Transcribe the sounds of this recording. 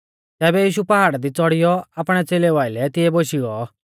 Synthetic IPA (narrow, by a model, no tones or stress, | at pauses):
t̪ɛːbɛjiːʃupɐɦaːɽad̪it͡sɔɽɪjɔaːpɽ̃ɛt͡seːlɛʋaːɪlɛt̪ɪjɛboːʃiɡɔ